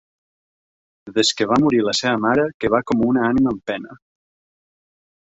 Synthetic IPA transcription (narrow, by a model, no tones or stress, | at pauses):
ðeskeβamuɾilɐseβəmaɾəkeβakomunaaniməːmpɛnə